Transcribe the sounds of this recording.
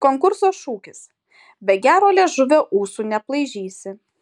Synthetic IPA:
koːŋkʊɾsoːʃuːkʲɪs | bʲɛɡʲæːɾoːlʲɛʒʊʋʲoːʔuːsuːnʲɛplˠɐɪʒʲiːsʲɪ

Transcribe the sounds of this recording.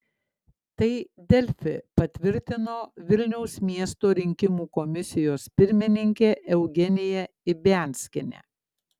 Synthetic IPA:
t̪ɐɪd̪ʲɛlʲfʲɪ̰pɐt̪ʲʋʲɪɾʲt̪ʲɪnoːʋʲɪlʲnʲɛʊsmʲiɛst̪oːɾʲɪŋʲkʲɪmuːkɔmʲɪsʲɪjoːspʲɪɾʲmʲɪnʲɪŋʲkʲeːʔɛʊɡʲɛnʲɪjɛ | ɪbʲɛˑnʲsʲkʲɪnʲɛ̰ː

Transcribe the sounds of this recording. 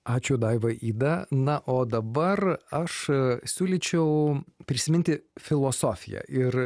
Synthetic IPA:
ɑːt͡ʃʲʊd̪ɐɪʋɐʔiːd̪ɐnɐʔoːd̪ɐbɐrɐʃsʲuːlʲɪt͡ʃʲɛʊpʲɾʲɪsʲɪmʲɪnʲt̪ʲɪfʲɪlˠoːsoːfʲɪjɛ̰ʔɪr

